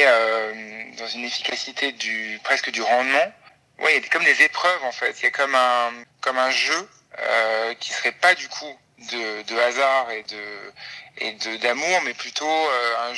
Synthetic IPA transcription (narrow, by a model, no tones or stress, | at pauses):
ømd̪ɑ̃zynefi̥kʲasit̪ʰed̪ypχɛskəd̪yʁɑ̃d̪mɑ̃ | wʔɛ̰jad̪kɔmd̪ezepχœvɑ̃fɛt̪ljakɔmɛ̃kɔmɛ̃ʒø | ø̰kʲi̥sə̥ʁɛpad̪ykʰu | d̪əd̪əazaʁed̪ə | ḛd̪əd̪amuʁmɛplyt̪ʰoøɛ̃